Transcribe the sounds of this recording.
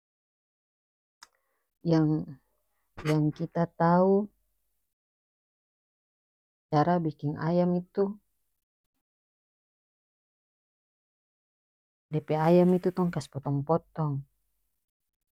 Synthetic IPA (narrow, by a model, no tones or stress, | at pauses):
jaŋ | jaŋkit̪at̪au | t͡ʃaɾabikɪŋa̰jamit̪u | dɛpeajamit̪ut̪ɔŋkaspɔt̪ɔŋpɔt̪ɔŋ